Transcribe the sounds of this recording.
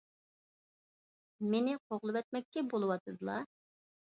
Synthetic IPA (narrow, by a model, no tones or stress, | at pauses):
menɪqʰoʁlˠɨwɛt̪̚mɛk̚ʲt͡ʃʲɛbolˠɨwɑt̪ʰɨd̪ɨlˠɑ̰